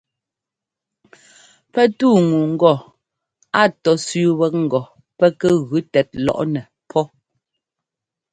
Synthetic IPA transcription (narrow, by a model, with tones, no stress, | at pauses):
pɛ˦tuː˦˨ŋu˨ŋ̩˦ɡɔ˦˨ | a˦˨tɔ˨˦sʉ˦wɛ˦k̚ŋ̩˨ɡɔ˨ | pɛ˦kɛ˦ɣʉ˨˦tɛ˨˦t̚lɔ̰˦ʔnɛ˨ | pʰɔ˦